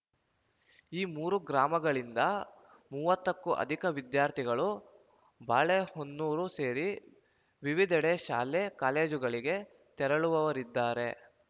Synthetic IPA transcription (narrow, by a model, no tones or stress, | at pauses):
iːmuːɾuɡɾaːmɐɡɐɭind̪ɐ | muːʋɐt̪ːɐkːuʔɐ̰d̪ʱikɐʋid̪jaːɾt̪ʰiɡɐɭu | baːɭehonːuːɾuse̞ːɾi | ʋiʋid̪ʱɛɽeʃa̰ːlekaːleːd͡ʒuɡɐɭiɡe̞ | t̪ɛɾɐɭuʋɐʋɐɾid̪ːaːɾe̞